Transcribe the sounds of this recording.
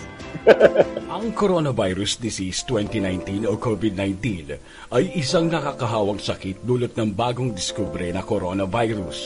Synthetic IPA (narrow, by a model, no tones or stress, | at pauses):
ʔɐŋkoɾonɐvajɾʊsd̪ɪsist̪wɛnt̪inajnt̪inokovɪd̪̚najnt̪in | ʔɐjʔɪsaŋnɐkaːkɐɦaːwɐŋsɐkit̪̚d̪uːlot̪̚nɐŋbaːɡoŋd̪ɪskuːbɾɛnɐkoɾonɐvajɾʊs